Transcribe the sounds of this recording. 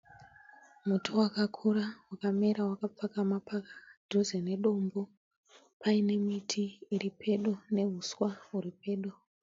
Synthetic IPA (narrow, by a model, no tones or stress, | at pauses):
mutʰowakakʰuɾawakameɾawakap͡fakamapakḁdʱozene̞ɗo̞mbo | pʰaine̞mitʰiːripʰe̞ɗone̞ɦuswauripe̞ːɗo